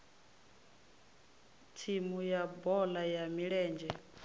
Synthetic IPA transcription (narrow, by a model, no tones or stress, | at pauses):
tʰimujabɔlajamiɺɛːnd͡ʒɛ